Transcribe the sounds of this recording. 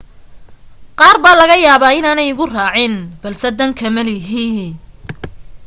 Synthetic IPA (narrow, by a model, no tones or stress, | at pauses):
qɑːrbaːlɐɣɐjaːβaːɪnaːnɛjʊɣʊraːʕɪnb̥ɐlsɛd̪ɐŋkʰɐmɐlɪɦiːn